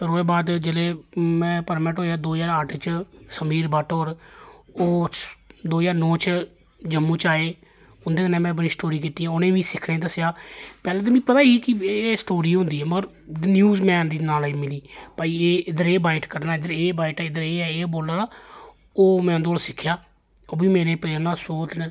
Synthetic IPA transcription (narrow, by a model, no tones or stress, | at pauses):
pəɾɦoːeːbaːd̪d͡ʒeleːmɛ̃ːpəɾmɛʈɦoːjaːd̪oːd͡ʒaːɾəʈʰt͡ʃsəmiːɾbəʈoːɾoː | d̪oːd͡ʒaːɾnɔ̃ːt͡ʃ | d͡ʒəmːũːt͡ʃaːeː | ʊnd̪eːkənɛ̃ːmɛ̃ːbəɽiːsʈoːɾiːkɪt̪iːãːʊnẽːʋĩːsɪkʰɽẽːd̪əsjaːpɛːleːt̪eːmĩːpət̪aːɦiːkɪeːsʈoːɾiːɦʊ̃nd̪iːɦɛːmɾ | njuːzmɛ̃ːnd̪iːnaːlimɪliːpaːieːɪd̪əɾeːbaːɪʈkəɾnaːɪd̪əɾeːbaːɪʈːɪd̪əɾeːɛːeːboːlaː | oːmɛ̃ːʊnd̪ooːlsɪkʰːjaː | oːbiːmeːneːpənãːsoːt̪n